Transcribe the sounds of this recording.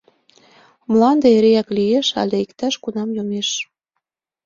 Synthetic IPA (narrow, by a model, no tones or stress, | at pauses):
mlɑnd̪eeɾejæklijeʃɑ̰lʲeikt̪æʃkunɑmjomeʃ